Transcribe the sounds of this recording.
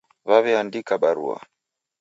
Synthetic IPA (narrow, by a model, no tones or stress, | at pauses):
βaβɛandikaɓaɾṵa̰